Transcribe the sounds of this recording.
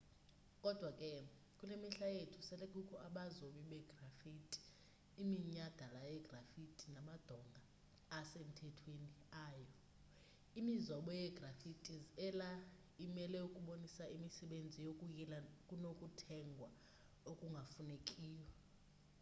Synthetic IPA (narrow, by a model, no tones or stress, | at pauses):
kʼɔd̥ʱwakʼɛ | kʼulemiɬajetʰu̥sɛlɛkʼukʰɔaɓazoɓiɓɛɡ̥ʱrafitʼi̥ː | miɲad̥ʱalajɛɡ̥ʱrafitʼinamad̥ʱɔŋɡʱaː | sem̩tʰɛtʰweniaːjɔ | imizɔɓɔjɛɡ̥rafitʼizɛla | imɛlɛukʼuɓonisaimisɛɓend͡zʱijokʼujilakʼunokʼutʰɛŋɡʱwa | okʼuŋɡʱafunekʼiːja